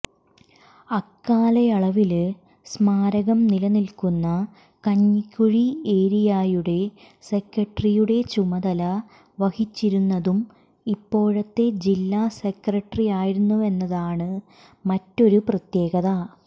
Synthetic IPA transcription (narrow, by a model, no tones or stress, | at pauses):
ɐkːaːlɐjɐɭɐʋil | smaːɾɐɣɐmnilɐnilkunːɐ | kɐɲːikʲːuɻieːɾijaːjuɽe̞ | se̞krɐʈːrijuɽe̞t͡ɕumɐðɐlɐ | ʋɐhit͡ɕːiɾunːɐðum | ipːo̞ːɻɐt̪ːe̞d͡ʑilːaːsekrɐʈːrijaːjiɾunːue̞nːɐðaːɳɨ | mɐtːo̞ɾuprɐt̪je̞ːɣɐðɐ